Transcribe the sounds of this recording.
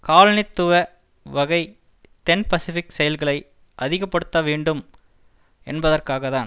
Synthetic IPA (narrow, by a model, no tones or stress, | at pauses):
kaːlɐnɪt̪ːɯʋɐ | ʋɐɣɐɪ | t̪ɛnpɐsɪfɪksɛjɐlɣɐɭɐɪ | ʔɐðɪɣɐpːɐɽɯt̪ːɐʋiːɳɖɯm | ɛnbɐðɐrkaːɣɐðaːn